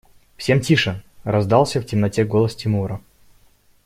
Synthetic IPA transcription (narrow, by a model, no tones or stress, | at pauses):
fsʲe̞mtʲiʂərɐzd̪ɑlˠsʲəftʲɪmnɐtʲeɡolˠəstʲɪmuɾə